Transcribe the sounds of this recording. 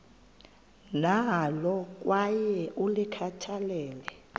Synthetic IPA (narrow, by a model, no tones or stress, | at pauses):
nalɔk̬ʼwajɛʔulikʰatʰalɛːlɛ